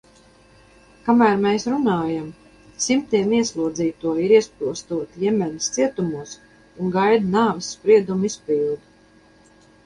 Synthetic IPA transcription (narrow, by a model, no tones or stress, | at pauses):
kamæːɾmesɾunaːjam | simt̪iɛmiɛslˠuɔd̪ziːt̪uɔiɾiɛspilˠst̪uɔt̪ijɛmʲɛnist̪siɛt̪umuɔs | uŋɡajd̪naːvɨsːpɾiɛd̪umispʲilˠd̪u